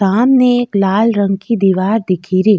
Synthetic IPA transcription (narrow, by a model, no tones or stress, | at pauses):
aːmneeːklaːlɾə̃ŋɡ̚kid̪iʋaːɾd̪ɪkʰiɾiː